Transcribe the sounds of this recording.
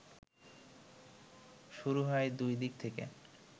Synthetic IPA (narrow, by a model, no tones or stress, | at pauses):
ʃuɾuɦɔed̪ujd̪ik̚t̪ʰekḛ